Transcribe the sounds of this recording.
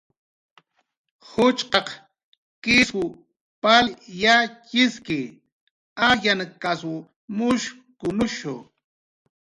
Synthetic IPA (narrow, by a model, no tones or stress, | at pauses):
hʊt͡ʃqɑq | kɪsʊ | paljat͡ʃɪskɪ | ajankasʊ | mʊʃ | kʊnʊʃʊ̰